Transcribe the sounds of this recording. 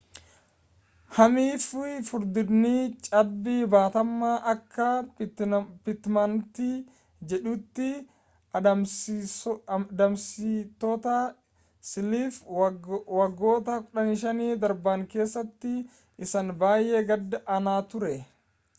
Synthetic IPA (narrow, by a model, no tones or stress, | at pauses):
hɐmiːffʊɾd̪ɪd̪niːt͡ʃʼɐbːiːbaːt̪ɐmːaːʔɐkʰːɐ | pɪt̪mɐnt̪i | d͡ʒɛᶑuːt̪ːɪ | d̪ɐmsit̪ːot̪ɐ | sɪliːf | wɐɡːo̞ːt̪ɐkʼʊᶑɐnɪʃɐniːd̪ɐɾbaːŋke̞ːsːɐt̪ːɪ | ʔɪsɐnbaːjʔeɡɐd̪ːɐʔɐnaːt̪ʊɾɛ